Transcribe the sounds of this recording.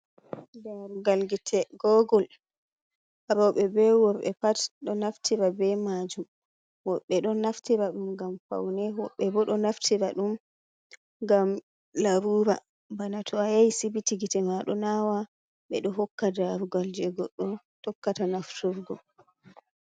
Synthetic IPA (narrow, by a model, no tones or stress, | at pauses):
daɾuɡalɡitʰɛɡɔɡɔl | aɾɔɓɛbɛwɔɾɓɛ̰patɗɔnaftʰiɾabɛmad͡ʒum | wɔɓːɛɗɔnaftiɾaɗumɡamfa̰wnɛwɔɓːɛbɔɗɔnaftʰiɾaɗum | ɡam | laɾuɾa | banatʰɔajajsibitiɡitɛmaɗɔnawa | ɓɛɗɔɦɔkːadaɾuɡald͡ʒɛɡɔɗːɔ | tɔkːatanaftuɾɡɔ